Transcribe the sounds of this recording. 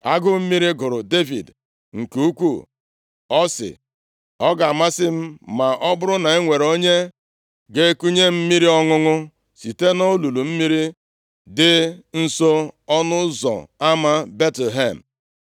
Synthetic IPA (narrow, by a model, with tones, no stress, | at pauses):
a˦ɡʊ˦m̩˦mi˦ɾi˦ɡʊ˨ɾʊ˨de˦vḭ˨d | ŋ̩˨ku˦kʷu˦ | ɔ˦sɪ̰˨ | ɔ˦ɡa˨a˨ma˦sɪ˦m̩˦ma˨ʔɔ˦bʊ˦ɾʊ˦na˨e˦ŋʷe˨ɾo˦ɲe˦ | ɡe˦ku˦ɲe˦m̩˦mi˦ɾi˦ɔ˦ŋʊ˦ŋʊ˦ | si˨te˦no˦lu˨lu˨m̩˦mi˦ɾi˦ | dɪ˦n̩˦so˦ɔ˦nʊ˦zɔ̰˨a˦ma˦be˦tle˨ɦe˦˨m̩˨